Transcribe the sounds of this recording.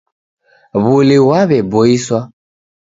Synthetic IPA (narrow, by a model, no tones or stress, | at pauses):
βʊliwaβɛbɔiswa